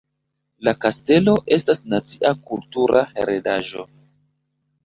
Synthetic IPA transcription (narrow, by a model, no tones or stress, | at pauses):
lakaste̞lo̞ʔe̞stasnat͡siʔakultuɾʔahḛɾedaʒo̞̰